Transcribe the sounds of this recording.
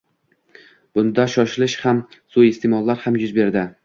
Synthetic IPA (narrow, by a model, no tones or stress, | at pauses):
b̥ʊnd̪aʃɒʃɪlɪʃhamsʊest̪ʰemɒlˠːaɾhamjʊzbe̞ɾd̪ɪ